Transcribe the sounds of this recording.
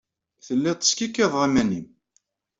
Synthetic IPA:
θəlːit̪ˤːə̥skikːeðˤʁimænim

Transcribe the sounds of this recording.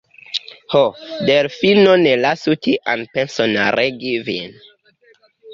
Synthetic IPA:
hodeɾfinonelasutiʔã̰npensona̰ɾʔeɡivḭn

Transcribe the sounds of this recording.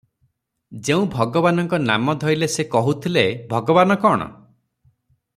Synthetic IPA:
d͡ʒeũbʱɔɡɔβanɔŋkɔna̰mɔd̪ʱɔjlesekɔɦut̪ʰilebʱɔɡɔβanɔkɔɽ̃ɔ̰

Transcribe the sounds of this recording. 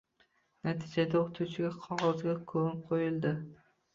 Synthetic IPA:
nat̪ʰid͡ʒad̪aot̪ʰut͡ʃʰɪɡʲaqʰɒʁɒzɡʲakʰɵqʰojɪlˠd̪ɪ

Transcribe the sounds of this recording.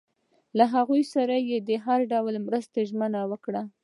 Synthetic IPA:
laɦaɣujsaɾajed̪əɦaɾɖawlmɾəst̪aʒmənawəkɽa

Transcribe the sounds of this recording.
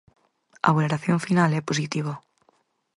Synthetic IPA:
a̰βuloɾaθjoɱfinalepos̬it̪iβ̞o

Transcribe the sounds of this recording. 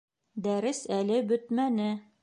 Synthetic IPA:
d̪æɾɘsælɘbɵt̪mænɘ

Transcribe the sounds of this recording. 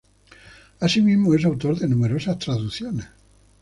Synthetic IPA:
asimizmoes̬awt̪o̞ɾðenume̞ɾo̞saht̪ɾaðuθjone

